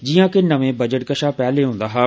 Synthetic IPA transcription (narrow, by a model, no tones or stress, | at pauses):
d͡ʒijãːkenəʋẽbəd͡ʒəʈkəʃaːpɛːleɦʊ̃ːn̆d̪aːɦɛː